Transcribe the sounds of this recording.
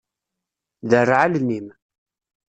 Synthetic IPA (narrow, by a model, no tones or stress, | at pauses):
ðərʕalnim